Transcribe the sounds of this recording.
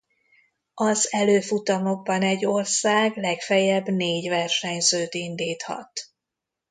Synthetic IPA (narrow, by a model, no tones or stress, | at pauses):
ɒzɛløːfut̪ɒmo̞ɡ̚bɒnɛɟːo̞rsaːɡlɛkfɛjɛbneːɟvɛrʃɛɲzøːt̪ind̪iːt̪hɒ̰t̪